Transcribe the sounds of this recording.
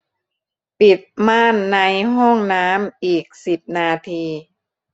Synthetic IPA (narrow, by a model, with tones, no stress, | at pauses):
pi˨˩t̪̚maː˥˩nːa˧jɦɔ˥˩ŋnaː˦˥mʔiː˨˩k̚si˨˩p̚naː˧t̪ʰiː˧